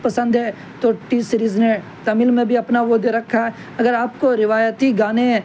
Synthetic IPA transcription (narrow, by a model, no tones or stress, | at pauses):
pɐsə̃nd̪ɦɛ | t̪oʈisɾiznẽ | t̪ɐmɪlmẽbʱiɐpnaʋoːd̪eɾɐkʰːaɦɛ | ɐɡəɾaːp̚koɾɪʋaːjət̪iɡaːne